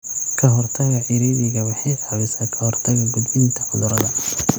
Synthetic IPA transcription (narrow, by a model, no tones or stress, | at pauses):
kʰɐɦɔrt̪ʰɐɣɐʕɪɾiːβɪɣɐwɑħɑjħɑβɛsaːkʰɐhɔrt̪ʰɐɣɐɡʊd̪wɪnt̪ʰɐʕʊðʊɾɐðɐ